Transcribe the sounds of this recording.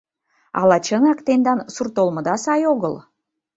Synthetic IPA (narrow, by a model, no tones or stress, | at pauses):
ɑ̰lɑt͡ɕənɑkt̪end̪ɑnsurt̪olmɤ̆d̪ɑsɑjoɣəl